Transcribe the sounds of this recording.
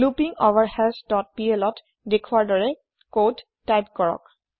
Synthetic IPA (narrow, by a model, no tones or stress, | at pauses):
lupiŋoʋaɹhɛlsdɔt̚pielɔt | dekʰuaɹdɔɹɛ | kodːajpkɔɹɔ̰k̚